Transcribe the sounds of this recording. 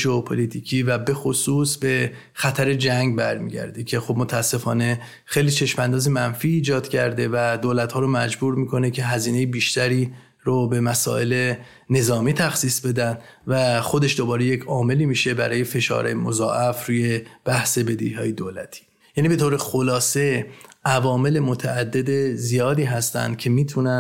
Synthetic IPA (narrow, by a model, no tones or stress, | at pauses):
d͡ʒoopʰolit̪ʰiːcʰiːvæbe̞xosuːsbe̞ | xæt̪ʰæɾe̞d͡ʒæŋɟbæɾmḭːɟæ̰ɾd̪ecʰe̞xobmo̞t̪ʰææsːe̞fɒːne̞ | xejlit͡ʃʰe̞ʃmænd̪ɒːzimænfiːd͡ʒɒːd̪̥cʰæɾd̪e̞væd̪oːlæt̪hɒːɾomæd͡ʒbuːɾmiːkʰo̞ne̞cʰe̞ɦæziːne̞jebiːʃt̪æɾiː | ɾobe̞mæsɒ̰ːe̞le̞ | ne̞zɒːmiːt̪ʰæxsiːsbe̞d̪ænd̪ | væxo̞d̪e̞ʃd̪obɒːɾe̞jecʰɒːme̞liːmiːʃe̞bæ̰ɾɒːje̞fe̞ʃɒ̰ːɾɛ̰jemozɒ̰ːʔæfɾuːje̞b̥æhse̞be̞d̪ihɒ̰ːjed̪oːlæ̰t̪ʰi̥ː | jæːniːbe̞t̪ʰoːɾe̞xolɒːse̞ʔævɒːme̞le̞mot̪ʰæːd̪ːe̞d̪ezijɒːd̪iːɦæst̪æ̰nd̪̥cʰe̞miːt̪ʰunæ